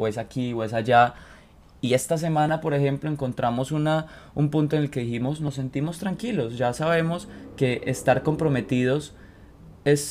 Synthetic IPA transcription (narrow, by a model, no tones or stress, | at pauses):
oesakiwes̬ad͡ʒa | ie̞st̪as̬e̞mãnapo̞ɾe̞xe̞mploe̞ŋko̞nt̪ɾamo̞suna | umpunt̪oenelkeðiximo̞sno̞sːe̞nt̪imo̞st̪ɾaŋkilo̞sd͡ʒasaβ̞e̞mo̞ske̞ʔest̪aɾko̞mpɾo̞me̞t̪iðo̞s | e̞s